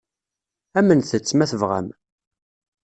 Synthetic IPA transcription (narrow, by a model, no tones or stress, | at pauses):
æmənθət͡sːmæθəvʁæ̰m